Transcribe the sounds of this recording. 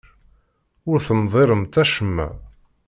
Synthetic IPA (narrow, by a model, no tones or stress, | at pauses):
ʊɾθənðˤeɾəmt̪æʃəmːæ̰